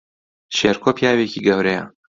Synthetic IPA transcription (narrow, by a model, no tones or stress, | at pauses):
ʃeːɾkʰoːpʰjaːweciɡɐwɾejɐ̰